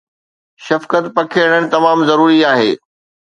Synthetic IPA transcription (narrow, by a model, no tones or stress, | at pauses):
ʃɐfkət̪pɐkʰeəɽəɽ̃ɪ̆t̪ɐmaːmzɐɾuːɾiaːɦeː